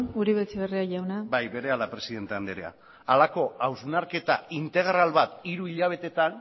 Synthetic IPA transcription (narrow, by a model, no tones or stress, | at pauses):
uɾiβet͡seβeriaʝawnabajbe̞ɾe̞alapɾe̞siðe̞nt̪e̞and̪eɾea̰ | alako̞awznaɾke̞t̪aint̪e̞ɣ̞ɾalβat̪iɾuiʎaβ̞e̞t̪e̞t̪an